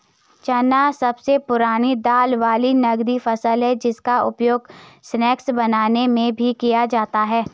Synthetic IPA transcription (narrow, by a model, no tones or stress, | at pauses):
t͡ʃɐnasɐbsepʊɾaːnid̪aːlʋaːlinɐɡd̪ifɐsəlɦɛd͡ʒɪskaʊ̰pjoːɡsnɛːksbɐnaːnemẽbʱikijad͡ʒaːt̪aɦɛː